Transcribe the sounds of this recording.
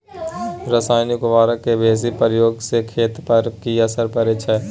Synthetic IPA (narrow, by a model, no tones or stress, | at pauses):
ɾəsaːɪnɪkʋaːɾəkːebʱeːs̬ipɾəjoːɡsekʰeːt̪pɐɾkiɐsəɾpəɾeːt͡ʃʰə